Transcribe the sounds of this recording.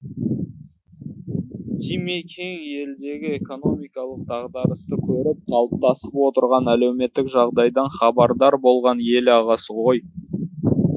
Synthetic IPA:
d̪ʰijmekʲʰe̞ŋe̞ld̪e̞ɡʲɪeko̞no̞mijkɑlˠəq̚d̪ɑʁd̪ɑɾəst̪əkʲʰɵɾɪp̚qʰɑlˠəp̚t̪ɑsəpwo̞t̪əɾʁɑnæle̞wme̞t̪ːɪkʒɑʁd̪ɑjd̪ɑɴχɑbɑɾd̪ɑɾbo̞lˠʁɑne̞lɑʁɑsəwo̞j

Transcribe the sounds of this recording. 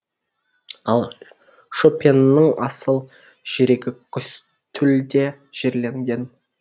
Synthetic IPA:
ɑlˠ | ʃopʲennːəɴɑsəlˠ | ʒ̥eɾe̞ɡʲɪkʲʰʏs | t̪ʰʏld̪e̞ | ʒ̥e̞ɾle̞ŋɡʲe̞n

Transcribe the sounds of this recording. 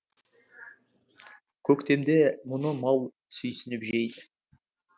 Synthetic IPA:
kʲʰɵkt̪e̞md̪e̞mʊnəmɑlˠ | sʏjsɪnɪpʒejd̪ɪ

